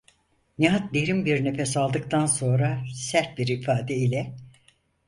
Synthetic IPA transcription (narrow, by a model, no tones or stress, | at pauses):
niɦat̪̚d̪eɾimbiɾne̞fɛsalˠd̪ɯk̚t̪ʰanso̞nɾasæɾt̪̚biɾifaːd̪ɛilʲɛ